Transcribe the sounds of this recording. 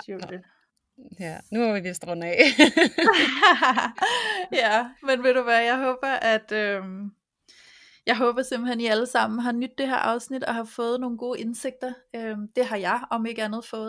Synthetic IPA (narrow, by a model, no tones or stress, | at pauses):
jænuʋiʋisd̥ʁɔnɛ | jæmenʋe̝ɾ̥uʋæːɐjɑɪɦɔ̽ːb̥ɐʔæd̥øm | jɑ̈ɪɦɔ̽ːb̥ɐse̝mb̥l̩heniæləsɑ̈m̰n̩ɦɑ̈nyd̥ːe̝ɦḛɐ̰ʔɑ̈ʊsnid̥ɒhɑ̈fɔ̽ːð̩ˠno̝ːn̩ɡ̥o̝ːʔe̝nse̝ɡ̥̚d̥ɐømd̥e̝ɦɑ̈jɑ̈ɪɒ̽me̝ɡ̥əænð̞̩ˠfɔ̽ːð̩ˠ